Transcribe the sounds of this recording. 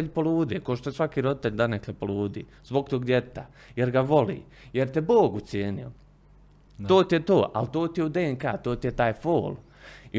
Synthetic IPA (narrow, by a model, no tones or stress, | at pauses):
ʎpolˠuːd̪eːkoʃt̪ojesʋakiːɾo̞d̪it̪eʎʲd̪aneklepoluːd̪ḭː | zbo̞ɡ̚t̪oːɡd̪jett̪a | jeɾɡaʋo̞lḭːjeɾt̪eboːɡut̪sjeːnḭo̰ | oːt̪ijet̪oːʔa̰lt̪oːt̪ijeud̪eːeŋkaːt̪oːt̪ijet̪aːjfoːl | i